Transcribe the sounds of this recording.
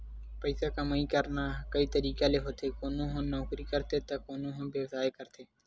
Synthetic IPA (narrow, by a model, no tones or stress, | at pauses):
pəɪsaːkaːməĩːkəɾnaːkəiːt̪əɾiːkaːleːɦoːt̪ʰeːkoːnõːɦõːnɔːkɾiːkəɾt̪ʰeːt̪aːkoːnõːɦõːbeːʋzaːeːkəɾt̪ʰeː